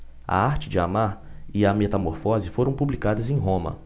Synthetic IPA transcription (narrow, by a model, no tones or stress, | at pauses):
ɐ̰aɾt͡ʃɪd͡ʒɪa̰maɾɪɐmet̪ɐmoɾfɔzɪfoɾɐ̃w̃publikad̪ɐzẽj̃ɦõmɐ̰